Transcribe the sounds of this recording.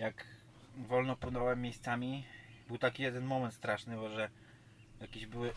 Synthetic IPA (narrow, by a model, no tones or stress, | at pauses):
jak | vɔlnɔpunɔwɛmʲːjejst̪samʲibɘwt̪akʲijɛd̪ɛnmɔmɛnt̪st̪ɾaʂnɘbɔʐɛ | jakʲeʑbɘwɘ